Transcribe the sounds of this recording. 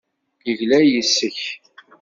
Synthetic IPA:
jəʝlæjəsːəç

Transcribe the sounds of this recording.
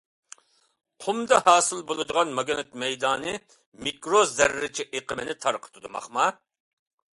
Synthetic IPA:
qʰʊmd̪ɑhɑːsɨlˠbolˠɨd̪əʁɑnmɑɡʲenɨt̪̚mɛjd̪ɑːnɨ | mikɾozɛɾːɪt͡ʃʰiʔeqʰəmɪnɪt̪ʰɑɾqʰə̥t̪ʰɨd̪umɑ̰χmɑ

